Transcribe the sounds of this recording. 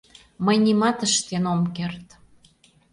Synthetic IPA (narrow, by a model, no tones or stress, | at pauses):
məjnimɑt̪əʃt̪enomkert̪